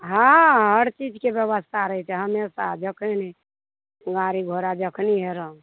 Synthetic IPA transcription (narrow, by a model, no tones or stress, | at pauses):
ɦãɦəɾt͡ʃid͡ʒkebjəʋəst̪ʰaɾəɦɛt͡ʃʰɛɦəmesad͡ʒəkʰeni | ɡaɾiɡʱoɾad͡ʒəkʰniɦeɾə̃